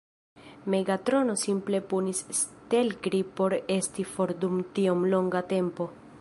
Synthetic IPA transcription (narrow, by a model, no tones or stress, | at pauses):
me̞ɡatɾo̞no̞simple̞punisste̞lkɾipo̞ɾe̞stifo̞ɾdumtiomlo̞ŋɡate̞mpo̞